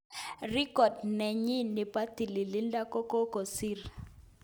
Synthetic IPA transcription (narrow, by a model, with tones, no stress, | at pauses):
ri˦kɔ˨dnɛ˨ɲi˦nɪ˨pa˦t̪i˨li˨li˦nda˦kɔ˦kɔ˦ko˨si˦r